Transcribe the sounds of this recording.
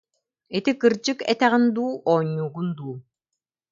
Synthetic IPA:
it̪ikɯɾd͡ʑɯkɛ̰t̪ɛʁind̪uːʔɔːɲːuːɡund̪uː

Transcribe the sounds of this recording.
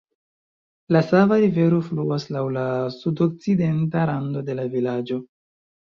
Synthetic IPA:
lasavaɾive̞ɾo̞fluaslawlasudok̚t͡side̞ntaɾando̞de̞lavilad͡ʒo̞

